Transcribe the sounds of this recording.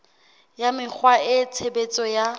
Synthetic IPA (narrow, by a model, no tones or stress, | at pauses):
jamɪk͡xʰwaɪt͡sʰebet͡sʼɔja